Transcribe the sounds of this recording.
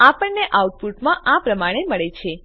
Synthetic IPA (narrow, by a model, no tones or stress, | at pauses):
apəɳneʔauʈ̚puʈmãʔãpɾəmaɽ̃eməɭet͡ʃʰe